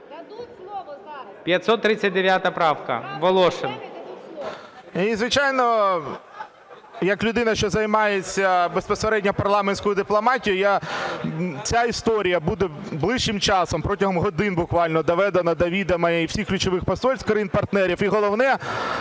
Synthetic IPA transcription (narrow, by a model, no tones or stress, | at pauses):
pʲjɐt̪ʲsɔt̪ːɾɪt͡sʲːɐt̚ʲd̪eʋʲjat̪ɐpɾɑwkɐ̰ʋɔlˠɔʃɪn | izʋɪt͡ʃɑjnɔ | jɐklʲʊd̪ɪnɐʃt͡ʃɔzɐjmɑjet͡sʲːɐbespɔseɾɛdʲnʲɐpɐrlˠɑmenʲsʲkʊjʊd̪ɪplˠɔmɑtʲijʊja | t͡sʲaist̪ɔɾʲijɐbud̪ɛblˠɪʃt͡ʃːɪmt͡ʃɑsɔmpɾɔtʲɐɦɔmɦɔd̪ɪnbʊkʋɑlʲnɔd̪ɔʋɛd̪ɐnɐd̪ɐʋʲid̪ɐmɐɛiwsʲixklʲʊt͡ʃɔʋɪxpɐsɔlʲsʲkɾɐjinpɐrt̪nɛɾʲifiɦɔlˠɔʋnɛ